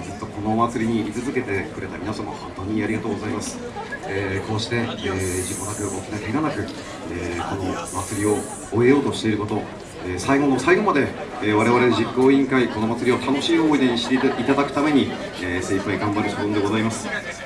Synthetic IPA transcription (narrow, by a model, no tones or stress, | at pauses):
zit̪ːo̞ko̞no̞mat͡sɨɾʲiɲ̟iːt͡sɨzɨke̞t̪e̞kɯ̟ɾe̞t̪amʲinasamo̰hõ̞nt̪o̞ːɲ̟iaɾʲiɡat̪oːɡo̞zaimasɨ̥ | eːko̞ːɕi̥t̪e̞ːd͡ʑikːo̞nakɯ̟ʔo̞kʲinakeɡanakɯ̟ | eːko̞no̞mat͡sɨɾʲio̞ː | e̞jo̞ːt̪o̞ɕi̥t̪e̞iɾɯ̟ko̞t̪o̞ | eːsaiɡo̞no̞saiɡo̞mad̪e̞eːβaɾe̞β̞aɾe̞ʑikːo̞ːĩŋkaiko̞no̞mat͡sɨɾʲio̞t̪ʰano̞ɕiːoːid̪eɲ̟iɕi̥t̪eit̪ad̪akɯ̟̥t̪ame̞ɲ̟i | eːseipaiɡãmbaɾɯ̟soɯ̃nd̪e̞ɡo̞zaimasɨ̥